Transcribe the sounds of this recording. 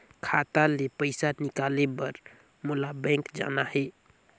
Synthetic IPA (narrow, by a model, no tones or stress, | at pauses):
kʰat̪alepəɪsanikalebəɾ | mulabɛ̃ŋkd͡ʒa̰naɦe